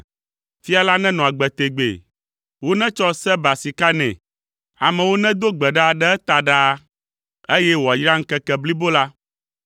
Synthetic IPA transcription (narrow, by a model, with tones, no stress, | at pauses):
fi˦a˨la˦nɛ̃˦nɔ̃˨a˨ɡ͡bɛ˨t̪e˨ɡ͡bḛ˨ | wo˦nɛ̃˦t͡ʃɔ˦sɛ˦ba˨si˨ka˦nɛ̰̃˨ | a̰˨mɛ̃˨wo˦nɛ̃˦d̪o˦ɡ͡bɛ˨ɖa˦˨ɖɛ˦ɛ˦t̪a˨ɖa˦ | e˦jɛ˦wo˨a˨jɾa˦ŋ̩˦kɛ˦kɛ˨bli˦bo˦la˦